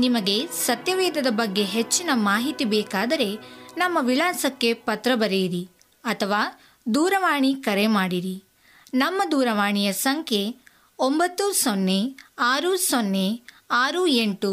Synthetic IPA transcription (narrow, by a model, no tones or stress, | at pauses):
nimɐɡe̞sɐt̪jɐʋɛːd̪ʱɐd̪ɐbɐɡːe̞ɦet͡ʃːinɐmaːɦit̪ibɛːkaːd̪ɐɾe̞nɐmːɐʋiɭaːsɐkːe̞pɐt̪ɾɐbɐɾejiɾi | ɐt̪ʰɐʋaː | d̪uːɾɐʋaːɳikɐɾemaːɽiɾi | nɐmːɐd̪uːɾɐʋaːɳijɐsɐŋkʰje̞ | ombɐt̪ːusonːe̞aːɾusonːe | aːɾueɳʈu